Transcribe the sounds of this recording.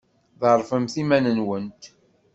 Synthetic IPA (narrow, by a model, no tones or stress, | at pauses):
ðəɾˤfəmθimænənwənt̪